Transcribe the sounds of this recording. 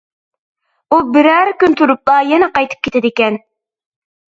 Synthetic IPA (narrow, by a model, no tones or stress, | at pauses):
ubɪɾæɾkʲynt̪ʰuɾup̚t̪ɑjɛnɛqɑjt̪ʰɨ̥p̚kʲet̪ʰɪd̪ɪkʲɛn